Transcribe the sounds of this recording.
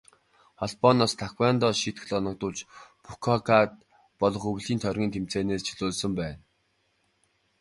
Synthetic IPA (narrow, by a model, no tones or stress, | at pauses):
χɔɮpɔnɔːst̪ʰakwæːnt̪ɔːʃit̪x̆ɮɔnɞ̆k̚t̪ʊːɮt͡ɕpukʰɔkat̪̚ | pɔɮɞ̆χɵw̆ɮiːnt̪ʰœrɣʲiːnt̪ʰem̥t͡seːneːst͡ɕʰiɮoːɮsə̆mpæːn